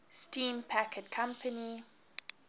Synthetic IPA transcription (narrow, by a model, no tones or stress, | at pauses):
stĩːmpʰækʰəd̚kʰãmpʰəni